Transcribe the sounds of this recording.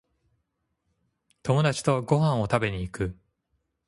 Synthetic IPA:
t̪o̞mo̞d̪at͡ɕi̥t̪o̞ɡo̞ɦãɰ̃o̞t̪abe̞ɲ̟iːkɯ̟

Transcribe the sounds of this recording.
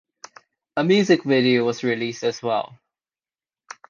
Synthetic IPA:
əmjʉːzɪkvɪɾioʊwʌzɹɪlistəzwɛ̰lˠ

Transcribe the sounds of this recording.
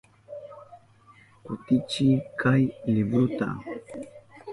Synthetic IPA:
kut̪it͡ʃikʰajlibɾut̪a̰

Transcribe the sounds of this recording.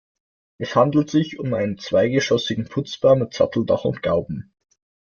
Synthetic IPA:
ʔɛshandl̩tz̥ɪçʊmaɪnənt͡sv̥aɪɡəʃɔsɪɡŋ̩pʰʊt͡sb̥aɐmɪtz̥a̰tl̩da̰χʊ̰ntɡ̥aʊbm̩

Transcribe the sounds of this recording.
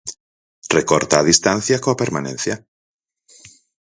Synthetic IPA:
rekoɾt̪aːðist̪an̟θjakoapeɾmanẽn̟θja

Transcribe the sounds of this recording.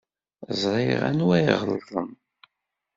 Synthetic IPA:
zˤɾˤɪʁæ̰nwæjʁəlðˤə̰n

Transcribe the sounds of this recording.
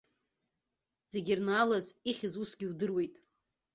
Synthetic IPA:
z̥e̞ɡʲirnaːlaziχʲɪzusɡʲiudɨrwe̞jtʼ

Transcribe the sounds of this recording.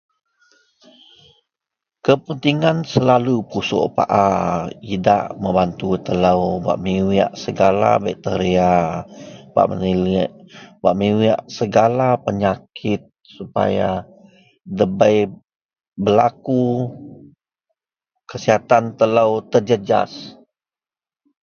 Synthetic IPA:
kəpənt̪iŋansəlalupusɔ̰ʔpa̰ʔaida̰ʔməbant̪ut̪əlawba̰ʔmiwia̰ʔsəɡala̰bɛk̚t̪əɾia | b̥a̰ʔmənilʔbaʔmiwia̰ʔsəɡalapəɲakʰɪt̪̚ | supa̰ja | dəbəj | bəlaku | kəsiɦat̪ant̪ələwt̪ərd͡ʒəd͡ʒa̰s

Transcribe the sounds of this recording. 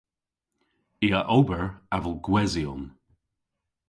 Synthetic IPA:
iaʔobəɹavəlˠɡwɛziɔn

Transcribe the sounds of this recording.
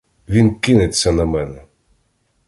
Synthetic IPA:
ʋʲinkɪnɪt͡sʲːɐnɐmɛnɛ

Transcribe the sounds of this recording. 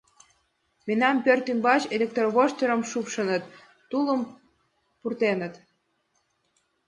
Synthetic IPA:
menɑmpørt̪ymbɑt͡ɕelʲek̚t̪orβoʃt̪eɾə̆mʃupʃənət̪ː | ulə̆m | purt̪enə̆t̪

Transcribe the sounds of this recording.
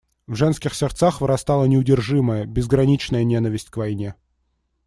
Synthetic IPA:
vʐɛnskʲɪxsʲɪrt̪saxvɨɾɐst̪alˠənʲɪʊdʲɪrʐɨməjəbʲɪzɡɾɐnʲit͡ɕnəjənʲen̪əvʲɪsʲtʲkvɐjnʲe

